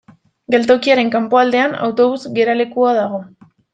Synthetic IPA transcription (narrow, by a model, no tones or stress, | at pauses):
ɡe̞lt̪o̞kiaɾe̞ŋkampo̞ald̪e̞ana̰wt̪o̞βuzɡe̞ɾale̞kuaðaɣ̞o̞